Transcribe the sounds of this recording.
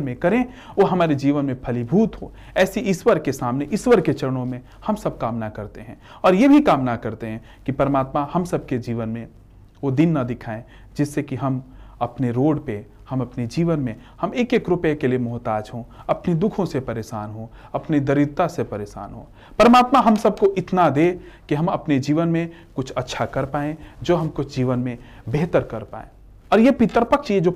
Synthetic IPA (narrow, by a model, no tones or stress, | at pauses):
nmẽkɐɾẽ | ʋoɦɐmaːɾed͡ʒiːʋənmẽpʰɐlibʱuːt̪ɦo̰ː | ɛːsiʔɪswəɾkesaːmneʔɪswəɾket͡ʃɐɾəɽ̃õmẽ | hɐmsɐb̚kaːmnakɐɾt̪eɦɛ̃ | ɔːɾjebʱikaːmnakɐɾt̪eɦɛ̃ | kipɐɾəmaːt̪mahɐmsɐb̚ked͡ʒiːʋənmẽ | ʋod̪ɪnːad̪ɪkʰaːẽ | d͡ʒɪsːekiɦɐmɐpneɾoːɽpe | hɐmɐpned͡ʒiːʋənmẽ | hɐmeːkeːkɾʊpekeliemʊɦt̪aːd͡ʒɦõɐpnid̪ʊkʰõsepɐɾeːʃaːnɦo | ɐpnid̪ɐɾɪd̪̚t̪asepɐɾeːʃa̰ːnɦo̰ | pəɾəmaːt̪maɦɐmsɐb̚koʔɪt̪nad̪ekiɦɐmɐpned͡ʒiːʋənmẽ | kʊt͡ʃʰɐtːʃʰakɐɾpaːẽd͡ʒoːɦɐmkʊt͡ʃʰd͡ʒiːʋənmẽ | beɦt̪əɾkɐɾpa̰ːḛ̃ː | ɔːɾjepɪt̪ɾpəkʃied͡ʒoː